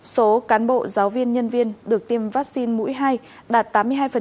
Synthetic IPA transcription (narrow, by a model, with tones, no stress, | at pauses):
so˨˦kaː˨˦nɓo̰˧˨zaː˨˦wvi˧ənɲə˧nvi˧ənɗɨ˨˩ək̚t̪i˧mvaː˦˥k̚si˧nmṵ˧˥jɦaː˧j | ɗaː˨˩t̚t̪aː˨˦mɨ˧əɦaː˧jfə˨˩